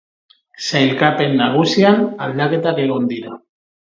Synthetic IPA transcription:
sajlkape̞nːaɣ̞usianald̪ake̞t̪ake̞ɣ̞o̞nd̪iɾa

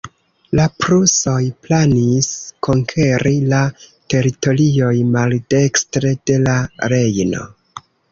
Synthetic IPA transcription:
lapɾuso̞jplaniskʰo̞ŋkʰe̞ɾilate̞ɾito̞lio̞jmalde̞kstɾe̞de̞laɾe̞jno̞̰

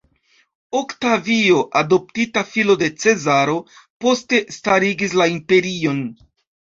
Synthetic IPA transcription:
o̞ktavio̞ʔado̞p̚titafilo̞de̞t͡se̞zaɾo̞po̞ste̞staɾiɡislaimpe̞ɾio̞n

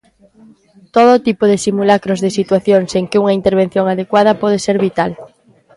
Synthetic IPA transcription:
t̪oð̞oːt̪ipoð̞esimulakɾozðesit̪waθjoŋseŋkɪuŋaint̪eɾβen̟θjoŋaðekwaðɐpɔð̞eseɾβit̪al

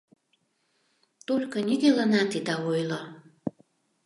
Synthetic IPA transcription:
t̪olʲkɤniɣelɑnɑt̪id̪ɑojlo

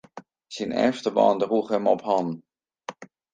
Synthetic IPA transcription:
sinɛ̰ɹftəbɑ̰ːndruχɦɛmɔpɦɑn

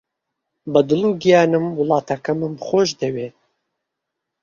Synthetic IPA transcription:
bɐd̪ɨluːɡijaːnɨmwʊlɑːt̪ʰɐkɐmɨmxoːʒd̪eweː

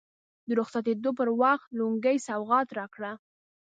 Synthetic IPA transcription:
d̪əɾʊxsat̪̬ed̪opəɾwɑxt̪luŋɡajsawɣɑt̪ɾɑkɽa

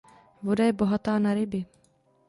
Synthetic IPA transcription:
vo̞dajɛbo̞ɦat̪aːnaɾɪbɪ

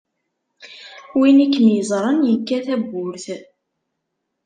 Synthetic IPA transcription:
winikːnjəzˤɾˤənjəkːæθæbːʊɾθ

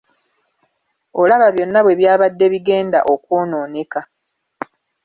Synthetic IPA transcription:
olaβaβjo̞nːaβwe̞βjaːβadːe̞βiɡe̞ːnda̰ʔokwoːnoːneka

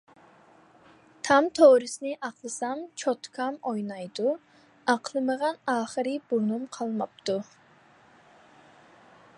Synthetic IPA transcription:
t̪ʰɑmt̪ʰoɾɨsnɪʔɑqlˠɨsɑmt͡ʃʰot̪kʰɑmojnɑjd̪u | ɑqʰlˠɨməʁɑnɑːχəɾɨb̥onumqʰɑlˠmɑp̚t̪u

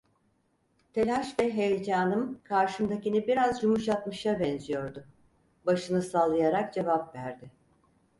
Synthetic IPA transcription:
t̪ʰe̞lʲaʃvɛɦejed͡ʒaːnɯmkʰaɾʃɯmd̪acinibiɾazd͡ʒumuʃat̪mɯʃjabɛnzijo̞ɾd̪ʊ | baʃɯnɯsaːlˠɯjaɾak̚d͡ʒe̞vapvæɾd̪ɪ

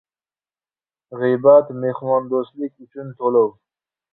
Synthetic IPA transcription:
ʁibat̪meχmɑnd̪ost̪likit͡ʃunt̪ʰoləw

